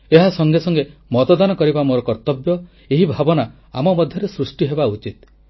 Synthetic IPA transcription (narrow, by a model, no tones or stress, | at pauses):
eɦasɔŋɡesɔŋɡemɔt̪ɔd̪anɔkɔɾibamoɾɔkɔɾt̪ɔbjɔ | eɦibʱabɔna | a̰mɔmɔd̪ʱjɔɾesɾusʈiɦebaut͡ʃit̪